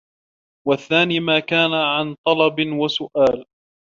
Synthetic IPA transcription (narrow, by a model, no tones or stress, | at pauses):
waθːaːniːmaːkaːnaʕant̪ˤɑlɑbɪwasʊʔaːl